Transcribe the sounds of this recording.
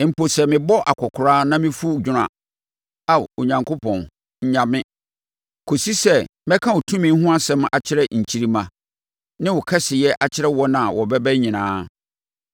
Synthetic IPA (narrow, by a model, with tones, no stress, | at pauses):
m̩˨po˨sɛ˨mɪ̃˨bɔ˦ʔa˨kʰɔ˨kʰʊ˨ɾaː˦nã˦mɪ̃˦fu˦d͡ʑᶣʊ˦ɾã̰˨ | a˨o˨ɲã˨ŋkʰo˦pʰɔ̃˨n | ɲ̩˨ɲã˨mɪ̃˦ | kʰo˨si˦sɛ˦˨mɛ˦kʰã˦wʊ˨tʰũ˦mɪ̃˦n̩˦ɦʊ̃˦a˦sɛ̃˦ma̰˨t͡ɕʰɪ˦ɾɛ˦ɲ̩˨t͡ɕʰi˨˦ɾi˦mã˨ | nɪ̃˦wʊ˨kʰɛ˦sɪ˨jɛ˦ʔa˨t͡ɕʰɪ˦ɾɛ˦wɔ˦nã˨wɔ˨bɛ˦bɛ˦ɲĩ˨nãː˨˦